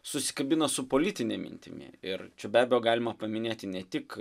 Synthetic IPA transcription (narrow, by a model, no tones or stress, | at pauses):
sʊsʲɪ̥kɐbʲɪnɐsʊpoːlʲɪt̪ʲɪnʲɛmʲɪ̰nʲt̪ʲɪ̰mʲɪ̰ɪɾt͡ʃʲɛbʲæːbʲɛjoːɡɑːlʲɪmɐpɐmʲɪnʲeːt̪ʲɪnʲɛt̪ʲɪk